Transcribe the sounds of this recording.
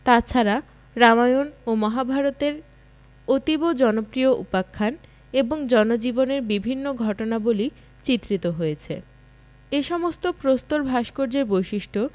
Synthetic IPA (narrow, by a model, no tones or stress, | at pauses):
t̪at͡ɕʰaɾa | ɾamajonomɔɦabʱaɾot̪eɾ | ot̪ibod͡ʑɔnopɾioʔupakʰːan | eboŋd͡ʑɔnod͡ʑiboneɾbibʱinːoɡʱɔʈonaboli | t͡ɕit̪ːɾit̪oɦojet͡ɕʰḛ | eʃɔmost̪opɾost̪oɾbʱaʃkoɾd͡ʑeɾbojʃiʃʈʰo